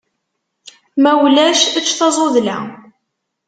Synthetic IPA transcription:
mæwlæʃæt͡ʃːθɑzˤoðlæ̰

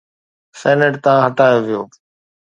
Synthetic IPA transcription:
sɛːnəʈt̪ɐʋãːɦəʈaːjoːʋɪjoː

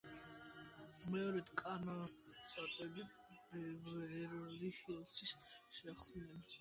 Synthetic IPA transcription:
mɛɔɾɛd̪kʼanɔt̪ʼat̪ʼɛbi | b̥ɛvɾlihilˠsisʃɛχd̪nɛn

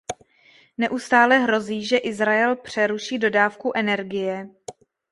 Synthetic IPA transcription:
nɛʔust̪aːlɛɦɾo̞ziːʒɛʔɪzɾaɛlpr̝̥ɛɾuʃiːdo̞daːfkuʔɛnɛɾɡɪjɛ

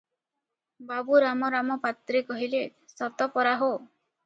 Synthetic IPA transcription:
babuɾamɔɾamɔpat̪ɾekɔɦilesɔt̪ɔpɔɾaɦo

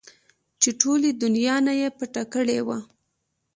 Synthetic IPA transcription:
t͡ʃeʈʰoled̪ʊnjɑnajepəʈakəɽewa

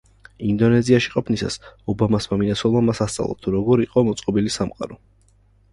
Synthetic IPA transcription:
ind̪ɔnɛziaʃiqʼɔpʰnisa̰sɔbamasmaminat̪sʰwɔlˠmamasast̪sʼa̰lˠa̰t̪ʰuɾɔɡɔɾiqʼɔmɔt̪sʼqʼɔbilisamqʼa̰ɾɔ

